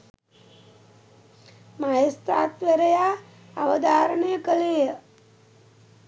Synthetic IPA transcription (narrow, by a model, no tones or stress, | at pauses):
majest̪a̰ːt̪ʋeɾəjaː | aʋəd̪aːɾəɳejəkəlejə